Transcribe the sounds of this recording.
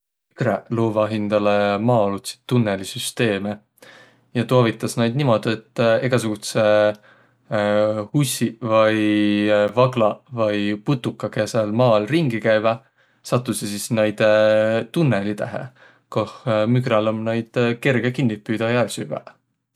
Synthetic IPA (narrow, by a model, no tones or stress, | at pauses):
mykɾeluːvɑɦind̪̥ɑlemɑːolut̪si̥t̪ːunːelisyst̪e̞ːme | jɑt̪oɑvit̪ːˑɑsnɑjd̪̚nimo̞d̪̥et̪ːe̞ɡ̥ɑsuɡ̥ut̪se | husʲivɑj | vɑɡlɑvɑjput̪ːukːˑɑkesɑlmɑːlriŋɡ̥ikæjvɑ | sɑt̪ːˑusesisnɑjd̪̥t̪unːelit̪æɦḛ | kohmykɾɑlomnɑjd̪̥ke̞rɡ̥ekinːitpːyjd̪ɑjælsy̰ɡ̥æ̰